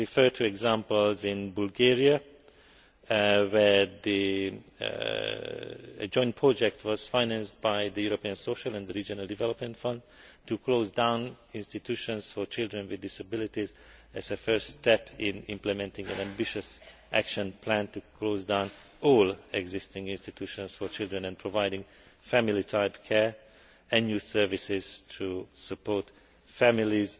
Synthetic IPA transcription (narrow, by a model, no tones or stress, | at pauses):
ɹifɜt̪ʰuɛɡzãmpəlzɪ̃nbulɡɛɹia | wɛɹd̪ḭ | d͡ʒɔ̃j̃ntpʰɹɔd͡ʒɛk̚t̪ʰwɔz̥fãjnæ̃nstbajd̪əjuɾopiə̃nsoʃəlɛ̃nd̪əɾiːd͡ʒɔnalˠd̪ivɛlɔpmɛ̃nt̪fʌ̃nd | tuklozdãw̃n | ɪ̃nst̪it̪uʃɔ̃nsfɔɹt͡ʃɪldɹɛ̃nwɪd̪ːɪsabɪlit̪iz | ɛzəfɜɹst̪ɛpɪ̃nɪ̰̃mplɛmɛ̃ntɪ̃ŋɡæ̃næ̃mbɪʃəsʔækʃɔ̃npʰlæ̃nt̪uklozdãʊ̃n | ɔːlɛɡzɪstɪ̃ŋɡɪ̃nstit̪ʰjuːʃɔ̃nsfɔɹt͡ʃɪlˠdɹɛ̃nɛ̃npʰɹovajdɪ̃ŋɡ | fæmilitʰaɪpkʰɛɹ | ɛ̃njusɛɹvisɪz̥tʰusəpɔɹt̪ | fæmiliz